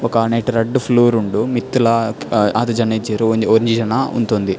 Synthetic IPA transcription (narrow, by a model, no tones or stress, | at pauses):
ɔkɐneʈɐɾɐɖːupʰluːɾuɳɖumit̪ːulɐaːt̪ɐd͡ʒɐned͡ʒeɾuoɾiɲd͡ʒid͡ʒɐnɐṵnt̪ond̪i